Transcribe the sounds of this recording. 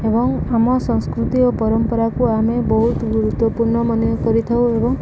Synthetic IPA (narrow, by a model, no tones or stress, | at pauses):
ebɔŋamɔsɔ̃ŋskɾut̪iopɔɾɔmpɔɾakuamebɔɦut̪ɡuɾut̪wɔpuɾɳɔmanjɔkɔɾit̪ʰawebɔŋ